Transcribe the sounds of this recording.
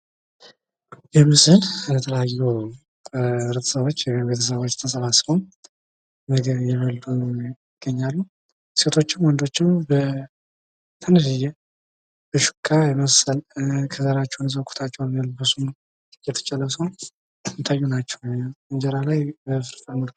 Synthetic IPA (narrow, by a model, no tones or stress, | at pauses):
jɛmɨzɨllət̪ʰələjajːu | ɾɨt̪ʰə̥səβo̞t͡ʃːjɛbe̞t̪ʰəsəβo̞t͡ʃːt̪ʰəsʼəβasbom | məɡβjɛβəld̪ujɪɡ̥ːəɲːalːu | se̞t̪ʰo̞t͡ʃːɪmwɔnd̪o̞t͡ʃːɪmbə | t̪ʰənɨɾɨjɛ | b̥əʃu̥kʼːajɛməsəlkʰəzaɾat͡ʃːɛwnəs̬əkʰu̥t̪ʰat͡ʃːɛwnjəlbɨsum | jɛt̪ʰə̥t͡ʃʼɛlːəsəw | ɨt̪ʰajːunat͡ʃːɛwɨɲd͡ʒɛɾalajbəfɨɾt̪ʼamɨlk